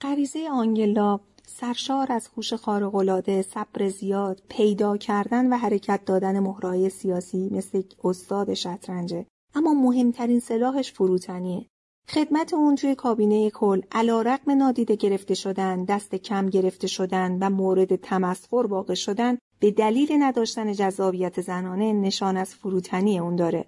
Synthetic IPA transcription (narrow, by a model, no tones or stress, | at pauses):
ɢæviːze̞jeɒːŋɟe̞lɒː | sæɾʃɒːɾæz̥huːʃe̞xɒːɾeɣo̞lɒːd̪e̞sæb̥ɾe̞zijɒːd̪̥pʰe̞jd̪ɒːcʰæɾd̪ænvæɦæɾe̞cʰæt̪̚ʰd̪ɒːd̪æne̞mohɾɒːje̞sijɒːsiːme̞sleost̪ɒːd̪e̞ʃæt̪ʰɾænd͡ʒe̞ | ʔæmːɒːmoɦe̞mt̪ʰæɾiːnse̞lɒːɦe̞ʃfoɾuːt̪ʰæniːe | χe̞d̪mæt̪ʰe̞unt̪ʰuje̞kʰɒːbiːneje̞kʰolːʔælɒːɾæɣme̞nɒːd̪iːd̪e̞ɟe̞ɾe̞ft̪e̞ʃo̞d̪ænd̪æst̪e̞cʰæmɟe̞ɾe̞ft̪e̞ʃo̞d̪ænvæmoːɾe̞d̪e̞t̪ʰæmæsho̞ɾvɒːɣe̞ʃo̞d̪æn | b̥e̞d̪æliːlenæd̪ɒːʃt̪æne̞d͡ʒæzːɒːbijæt̪ʰe̞zænɒːne̞ne̞ʃɒːnæz̥foɾuːt̪ʰænijeund̪ɒːɾe̞